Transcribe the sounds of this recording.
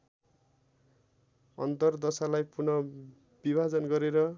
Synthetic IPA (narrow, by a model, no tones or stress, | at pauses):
ʌ̰nt̪ʌrd̪ʌsalajpurnʌ | b̥ibʱad͡zʌnɡʌɾeɾʌ